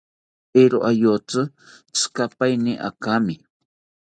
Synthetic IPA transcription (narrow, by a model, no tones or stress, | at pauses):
eɾoʔajot͡sɨ | t͡skapajnɪʔa̰kamɪ